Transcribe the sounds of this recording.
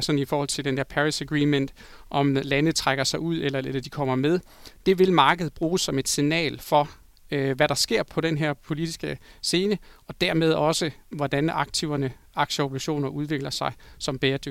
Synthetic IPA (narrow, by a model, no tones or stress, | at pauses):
sɒ̽nifɒːhɒ̽l̰t͡sʰe̝ld̥end̥æɐ̰pʰæʁisæɡ̥ʁiːmen̰d̥ | ʔɒ̽mlænəð̩ˠt͡sʰʁaɡ̥ɐsɑ̈ɪuð̞̰ˠelɐelɐd̥ikʰɒ̽m̰ɐmeð̞ˠd̥e̝ʋe̝lmɑ̈ːɡ̥əð̩ˠb̥ʁuːsɒ̽me̝d̥sinɛ̰ːlfɒ̽ | ʋæɾ̥ɑ̈sɡ̥e̝ɐ̰pʰɒ̽ɾ̥enɦæɐ̰pʰo̝lid̥isɡ̥əse̝ːnəɒ̽d̥æɐ̰með̞ˠɒ̽səʋɒd̥ænɑ̈ɡ̥̚t͡sʰiʊɐnə | ɑ̈ɡ̥ɕəob̥ʰʁiɕo̝̰ːnɐʔuð̞ˠʋe̝ɡ̥lɐsɑ̈ɪsɒ̽mb̥eːɐd̥øɡ